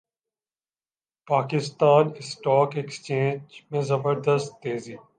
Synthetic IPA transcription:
paːkɪst̪aːnɪsʈɔːkekst͡ʃẽːɲd͡ʒmẽzɐbəɾd̪əst̪ːeːziː

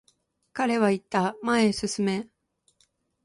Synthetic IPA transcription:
kaɾe̞βait̪ːamae̞sɨsɨme̞

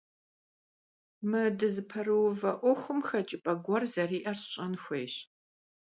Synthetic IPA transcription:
mɨdɨzɨpʰɐrɨwvɐʔʷɔxʷʊmxɐt͡ʃʼɪpʼɐɡʷɔrzɐriːʔɐrɕɕʼɐnxʷeːɕ

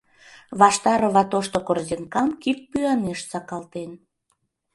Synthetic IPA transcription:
βɑʃt̪ɑɾəβɑt̪oʃt̪okorzeŋkɑmkit̪̚pyɑneʃsɑkɑlt̪en

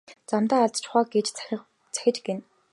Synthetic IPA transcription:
t͡samt̪aːɮt̪t͡ɕʰʊχaːɡet͡ɕt͡s | t͡sʰæ̥xʲɪ̆t͡ɕɡen

